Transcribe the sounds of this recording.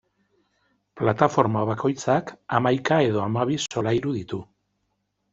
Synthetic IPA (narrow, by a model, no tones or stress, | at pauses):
plat̪afo̞ɾmaβako̞jt͡sakamajkae̞ðo̞amaβ̞iso̞lajɾuðit̪u